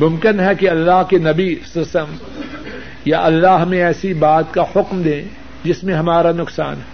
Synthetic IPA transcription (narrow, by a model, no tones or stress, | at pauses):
mʊ̃mkɪnɦɛkeɐlːaːɦkenɐbisɪstəm | jaʔɐlːaɦɦmẽɛːsibaːt̪kahʊkmd̪ẽː | d͡ʒɪsmẽɦɐmaːɾanʊksaːnɦɛ